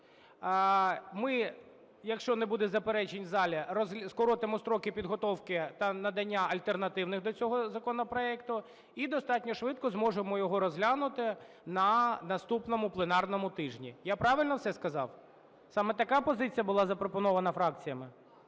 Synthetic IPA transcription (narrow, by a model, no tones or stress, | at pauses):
mɪ | jɐkʃt͡ʃɔnebud̪ɛzɐpeɾɛt͡ʃenʲzɑlʲɐɾɔzʲskɔɾɔt̪emɔst̪ɾɔkɪpʲid̪ɦɔt̪ɔwkɪt̪ɐnɐd̪ɐnʲːaɐlʲt̪ernɐt̪ɪwnɪxd̪ɔt͡sʲɔɦɔzɐkɔnɔpɾɔɛkt̪ʊ | id̪ɔst̪ɑtʲnʲɔʃʋɪt̪̚kɔzmɔʒemɔjɔɦɔɾɔzɦlʲanʊt̪ɪ | nɐnɐst̪upnɔmʊplˠenɑrnɔmʊt̪ɪʒnʲijapɾɑʋɪlʲnɔwsɛskɐzɑ̰w | sɑmɛt̪ɐkapɔzɪt͡sʲijɐbʊlˠɑzɐpɾɔpɔnɔʋɐnɐfɾɑk̚t͡sʲijɐmɪ